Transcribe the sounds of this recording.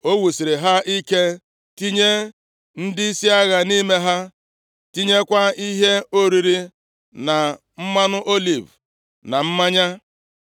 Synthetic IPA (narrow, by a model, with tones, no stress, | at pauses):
o˦wu˨si˨ɾe˨ɦa˦i˦ke˦ | ti˦ɲe˦ | n̩˦dɪ˦i˦si˦a˦ɣa˨ni˦me˦ɦa˦ | ti˦ɲe˦kʷa˦i˦ɦe˦o˦ɾi˨ɾi˦ | na˨ | m̩˦ma˦nʊ˦ʔo˦li˨v | na˨m̩˦ma˦ɲa˦